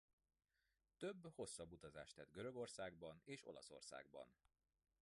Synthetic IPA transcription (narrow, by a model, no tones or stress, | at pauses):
t̪ø̞bːho̞sːɒbːut̪ɒza̰ːʃt̪ɛd̪̚ɡøɾø̞ɡo̞rsaːɡ̚bɒneːʃo̞̰lɒ̰so̞̰rsa̰ːɡbɒ̰n